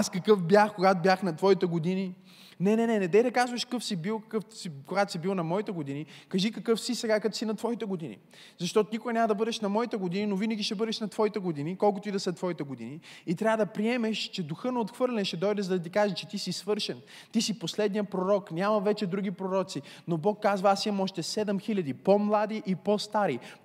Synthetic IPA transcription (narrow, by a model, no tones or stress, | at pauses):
askɐkɤfbʲjaxkoɡat̪obʲjaxnɐt̪vɔit̪ɛɡod̪ini | nɛnɛnɛnɛd̪ɛjd̪ɐkazvɐʃkkɤfsibilˠkɐkɤfsikoɡat̪o̥sibilˠnɐmɔit̪ɛɡod̪inikɐʒikɐkɤfsisɛɡakɐt̪osinɐt̪vɔit̪ɛɡod̪inʲḭ | zɐʃt̪ɔt̪onikʊɡɐnʲaməd̪ɐbɤd̪ɛʃnɐmɔit̪ɛɡod̪ininovinɐɡʲiʃɛbɤd̪ɛʃnɐt̪v̥ɔit̪ɛɡod̪inikɔlˠkʊt̪oid̪ɐslɛt̪ːvɔit̪ɛɡod̪ḭniit̪ɾʲavəd̪ɐpɾiɛmɛʃt͡ʃɛd̪uxɤnɛot̪xvɤɾlʲɛnʃɛd̪ɔjd̪ɛzɐd̪ɐt̪̬ikaʒɛt͡ʃɛt̪isisvɤɾʃɛn | t̪isiposlɛd̪nijəpɾoɾɔknʲamɐvɛt͡ʃɛd̪ɾuɡ̟ipɾoɾɔt̪sinobɔkːazvɐasiɐmɔʃt̪ɛsɛd̪ɛmxilʲɐd̪ipomlˠad̪iʔipost̪aɾi